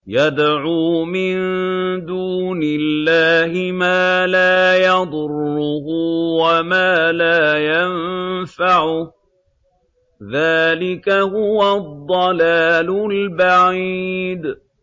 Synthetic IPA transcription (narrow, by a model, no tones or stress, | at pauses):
jad̪ʕuːmɪnd̪uːnɪlːaːhɪmaːlaːjɑd̪ˤʊrːʊhʊwamaːlaːjanfaʕʊ | ðaːlɪkahʊwad̪ˤːɑlaːlʊlbaʕiid̪